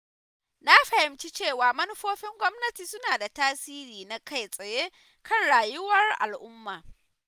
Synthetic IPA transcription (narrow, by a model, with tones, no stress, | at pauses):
na˦ɸɐ˨hɪ˨mt͡ʃi˦t͡ʃeː˦˨waː˨mɐ˦nʊ˦ɸoː˦ɸɪ˦ŋɡʷɔ˦mnɐ˦tiː˨sʊ˦naː˨da˨taː˦siː˦ɾiː˨na˦ka˦jsʼɐ˨jeː˦ | kɐ˦˨nɽaː˨jʊ˦wɐ˦rʔa̰˨lʔʊ˦mːaː˨